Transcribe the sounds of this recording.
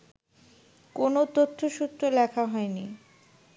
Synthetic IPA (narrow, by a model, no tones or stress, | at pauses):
konot̪ot̪ʰːoʃut̪ɾolɛkʰaɦɔeni